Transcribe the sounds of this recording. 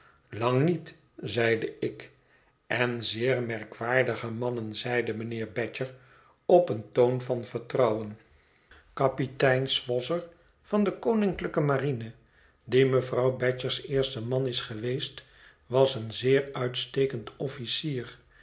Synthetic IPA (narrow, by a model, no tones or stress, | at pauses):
lɑŋnit | zɛjdəɪk | ʔɛnzɪːɹmɛɹkʋaːɹdəχəmɑnənzɛjdəmənɪːɹbɛt͡ʃəɹ | ɔpəntownvɑnvəɹtrɑwən | kɑpitɛjnsfɔsəɹ | v̥ɑndəkownɪŋkləkəmarinə | diməvrɑwbɛt͡ʃəɹsɪːɹstəmɑnɪsχəʋejst | ʋɑsənzɪːɹœɥtstejkəntɔfisiːr